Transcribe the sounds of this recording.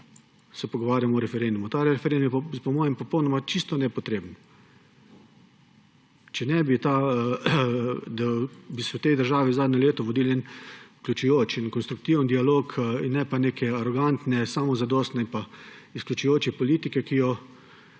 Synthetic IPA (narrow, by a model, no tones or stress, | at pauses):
sɛpɔɡɔʋaːɾjamɔɾɛfɛɾend̪umut̪aɾɛfɛɾend̪umjɛppɔmɔːjɛmpɔpɔwnɔmat͡ʃist̪ɔnɛpɔt̪ɾeːbən | t͡ʃɛnɛbit̪a | d̪abisɛwt̪ɛjd̪əɾʒaːʋizaːd̪nɛleːt̪ɔʋɔd̪iːlɛnklʲjut͡ʃujoːt͡ʃinkɔnst̪ɾuk̚t̪iwənd̪ialoːkʰinːɛpaneːkʰɛaɾɔɡant̪nɛsaːmɔzad̪ɔːst̪nɛinpaisklʲut͡ʃujoːt͡ʃɛpɔliːt̪ikɛkijɔ